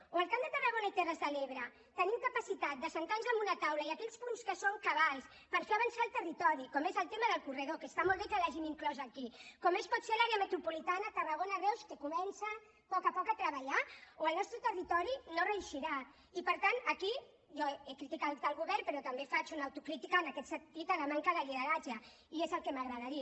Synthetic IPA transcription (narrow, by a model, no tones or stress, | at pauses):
oəlˠkamd̪ət̪ərəɣonait̪erəzðəleβɾə | t̪ənimkapəsit̪at̪̚d̪əsənt̪anzəmbunət̪awləiakɛʎspunskəsoŋkaβalˠs | pəɾfeɐβənsaəlˠt̪ərit̪ɔɾikɔmezəlˠt̪eməðəlˠkurəðokəst̪amɔlˠβekəlaʒimiŋklɔzakikɔmespɔt̪selaɾeəmət̪ɾupulit̪anət̪ərəɣonəɣewskekumɛnsə | pɔkapɔkat̪ɾəβaʎaoəlnɔst̪ɾət̪ərit̪ɔɾinorəuʃiɾa | ipəɾt̪anɐki | ʒɔekɾit̪ikat̪əlɣuβɛɾpəɾɔt̪ɐmbefat͡ʃunːwt̪ukɾit̪ikanakɛt̪sənt̪it̪əlamaŋkəðəliðəɾad͡ʒə | iezəlˠkemaɣɾəðaɾi